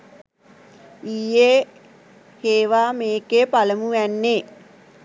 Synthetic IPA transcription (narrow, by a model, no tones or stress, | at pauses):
iːjeː | heːʋaːmeːkeːpaləmuʋɛnːeː